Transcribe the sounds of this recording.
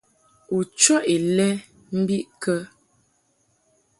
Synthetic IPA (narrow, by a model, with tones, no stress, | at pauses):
u˨t͡ʃɔ˦ʔe˨lɛ˦ | m̩˦bi˦ʔkə˦